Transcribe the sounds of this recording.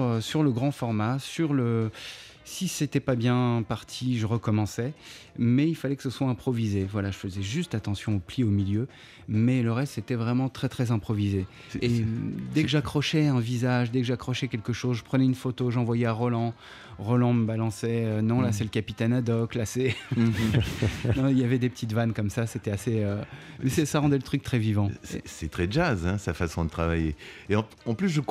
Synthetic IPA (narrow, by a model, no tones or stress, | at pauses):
syʁləɡʁɑ̃fɔʁmasyʁlə | siset̪ɛpabjɛ̃paʁt̪ʰiʒəʁəkɔmɑ̃sɛmɛilfalɛkə̥səswaɛ̃pχɔvizevwalaʒəfəzɛʒyst̪at̪ɑ̃sjɔ̃opliomiljø | mɛləʁɛst̪set̪ɛvʁɛmɑ̃t̪χɛt̪χɛzɛ̃pχɔvize | ed̪ɛkəʒakχɔʃɛɛ̃vizaʒd̪ɛkəʒakχɔʃɛkʲɛlkəʃozʒəpχənɛynfot̪oʒɑ̃vwajɛaʁɔlɑ̃ | ʁɔlɑ̃məbalɑ̃sɛønɔ̃lasɛləkapit̪ɛnad̪ɔklasɛ | nɔ̃iljavɛd̪epət̪ʰit̪vankɔmsaset̪ɛaseømɛsɛsaʁɑ̃d̪ɛlət̪χyk̚t̪χɛvivɑ̃sɛsɛt̪χɛʒazɛ̃safasɔ̃d̪ət̪χavajeeɑ̃ | ɑ̃plys̬ʒək